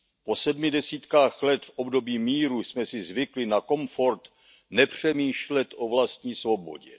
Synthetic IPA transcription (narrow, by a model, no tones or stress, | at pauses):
po̞sɛdmɪdɛsiːt̪kaːxlɛt̪fʔobdo̞biːmiːɾusmɛsɪzvɪklɪnako̞mfo̞ɾt̪ | nɛpr̝̥ɛmiːʃlɛt̪ʔo̞vlast̪̚ɲiːsvo̞bo̞̰ɟɛ̰